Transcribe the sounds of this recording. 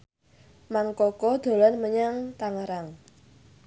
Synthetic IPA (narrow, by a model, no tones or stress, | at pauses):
maŋkɔkɔd̪̥o̤lɔnməɲaŋt̪aŋəɾaŋ